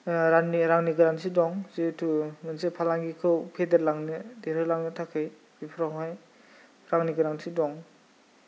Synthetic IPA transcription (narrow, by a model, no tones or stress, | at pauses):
ɾaniɾaŋniɡɯɾaŋsidɔŋzitʰumɯnsepʰalaŋɡikʰɯwpʰedeɾlaŋnɯdeɾɯlaŋnɯtʰakʰːɯj | bipʰɾaɦaj | ɾaŋniɡɯɾaŋsidɔŋ